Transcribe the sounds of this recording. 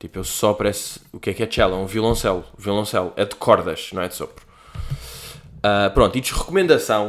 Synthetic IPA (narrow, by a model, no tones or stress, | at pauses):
t̪ipewsɔpɐɾɛsukɛkɛt͡ʃɛlˠɐ̃ũvulˠɐ̃sɛlˠviulˠɐ̃sɛlˠuɛd̪ɨkʰɔɾðɐʃnɐ̃w̃ɛd̪sopɾu | apɾõnt̪it̪ʃʁɨkumẽnd̪ɐsɐ̃w̃